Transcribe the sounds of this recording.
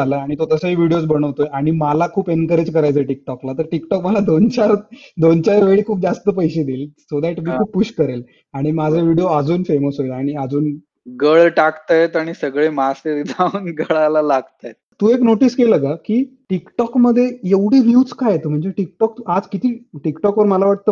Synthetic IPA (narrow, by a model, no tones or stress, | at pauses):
aləaɽ̃it̪ot̪əsəiʋiɽijot͡sbəɽ̃əʋt̪oeaɽ̃imalakʰuːpenkəɾed͡ʑkəɾajt͡səʈik̚ʈɔklat̪əɾʈikʈɔkməlad̪ont͡ɕaɾd̪ont͡ɕaɾʋeɭikʰuːp̚d͡zast̪əpəjɕed̪iːlsod̪aʈmiːkʰuːpːuɕkəɾel | aɽ̃imad͡zʱəʋiɽijoəd͡zuːnfeməsɦojlaɽ̃iəd͡zuːn | ɡəɭʈakt̪ajet̪aɽ̃isəɡɭemaseɾd̪ʱaunɡʱəɭalalaɡt̪ajet̪t̪uːeknoʈiːskeləɡakiːʈikʈɔkməd̪ʱːjejeʋɽ̤eʋjuːt͡skajet̪əm̤əɳd͡zeʈik̚ʈɔk̚t̪ʔad͡zkit̪iːʈikʈɔkʋəɾməlaʋaʈ̚t̪ə